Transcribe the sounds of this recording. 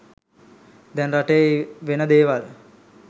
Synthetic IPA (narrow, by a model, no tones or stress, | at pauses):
d̪ɛnraʈəəʋenəd̪eːʋal